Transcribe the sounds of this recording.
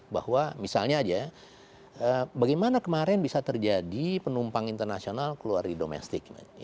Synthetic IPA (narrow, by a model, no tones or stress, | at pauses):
ba̰hwamisa̰lɲad͡ʒa | əbaɡajmanakəmaɾɛnbisat̪ərd͡ʒadipənumpaŋint̪ərnasionalkəlua̰rdidomɛ̰st̪ɪkma̰